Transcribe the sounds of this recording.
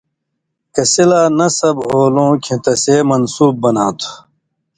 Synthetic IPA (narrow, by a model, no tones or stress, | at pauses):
kɐsilaːnɐsɐbɦoːlõːkʰĩt̪ɐseːmɐnsuːb̚ːɐnaːt̪ʰu̥